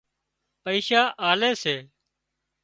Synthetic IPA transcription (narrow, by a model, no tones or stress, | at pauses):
pəiːʃaːʔaːleːseː